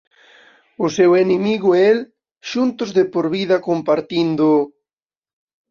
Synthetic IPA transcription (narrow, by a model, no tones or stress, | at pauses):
ʊsewenemiɣʊel | ʃunt̪ʊzðepoɾβiðɐkompaɾt̪ind̪ʊ